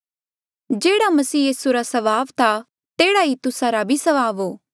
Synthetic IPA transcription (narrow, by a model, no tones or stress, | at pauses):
d͡ʒeːɽamɐsiːjiːsuɾasɐʋaːʋt̪ʰa | t̪eːɽaɦit̪ʊsaɾabʱisɐʋaːʋoː